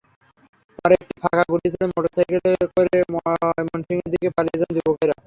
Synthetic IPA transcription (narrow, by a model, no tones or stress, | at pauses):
pɔɾek̚ʈifʰakʰaɡuʈit͡ɕʰilemoʈosajkelekoɾemmɔnsiŋeɾd̪ikepalied͡ʑand͡ʑubokɔjɾa